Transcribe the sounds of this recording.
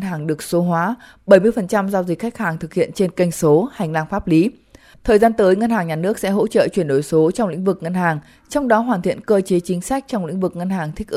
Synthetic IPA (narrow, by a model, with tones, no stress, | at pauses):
nɦaː˨˩ŋɗɨ˨˩ək̚so˨˦ɦwaː˨˦ | ɓə˧˩jmɨ˧əjfə˨˩nt͡ɕa˧mzaː˧wzi˨˩k̟̚xa˦˥k̟̚haː˨˩ŋt̪ʰɨ˨˩k̚hḭ˧˨ənt͡ɕe˧nkə˧jŋ̟so˨˦ha˨˩jŋ̟laː˧ŋfaː˦˥p̚li˨˦ | t̪ʰəː˨˩jzaː˧nt̪əː˨˦jŋə˧nhaː˨˩ŋɲaː˨˩nɨ˦˥ək̚sɛ̰˧˥ɦo̰˧˥t͡ɕə̰ː˧˨t͡ɕwi˧˩ənɗo˨˩jso˨˦t͡ɕɔ˧wŋ͡mlḭ˧˥ŋ̟vɨ˨˩k̚ŋə˧nhaː˨˩ŋ | t͡ɕɔ˧wŋ͡mɗɔ˨˦ɦwaː˨˩nt̪ʰḭ˧˨ənkəː˧t͡ɕe˨˦t͡ɕï˨˦ŋ̟sa˦˥k̟̚t͡ɕɔ˧wŋ͡mlḭ̈˧˥ŋ̟vɨ˨˩k̚ŋə˧nɦaː˨˩ŋt̪ʰi˦˥k̚ʔ